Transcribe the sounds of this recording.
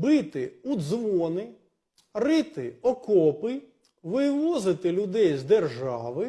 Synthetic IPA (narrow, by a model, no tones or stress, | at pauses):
bɪt̪ɪud̪zʋɔnɪ | rɪt̪ɪɔkɔpɪj | ʋɪʋɔzɪt̪ɪlʲʊd̪ɛjzd̪erʒɑʋɪ